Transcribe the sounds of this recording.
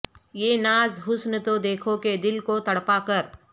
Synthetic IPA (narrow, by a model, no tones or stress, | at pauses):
jeːnaːzɦʊsnt̪od̪eːkʰoked̪ɪlkot̪ɐɽpakəɾ